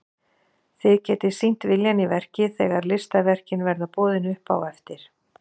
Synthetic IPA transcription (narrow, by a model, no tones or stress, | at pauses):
θɪðcɛːt̪ɪsijn̥t̪vɪljanivɛr̥cɪθɛɣaɾlɪst̪avɛr̥cɪnvɛɾðapɔːðɪnʏhpa̰wɛft̪ɪɾ̥